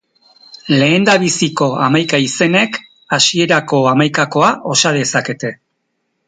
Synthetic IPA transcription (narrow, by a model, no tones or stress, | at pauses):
le̞ːnd̪aβisiko̞amajkaise̞ne̞k | asie̞ɾako̞amajkako̞aʔo̞sað̞e̞sake̞t̪e̞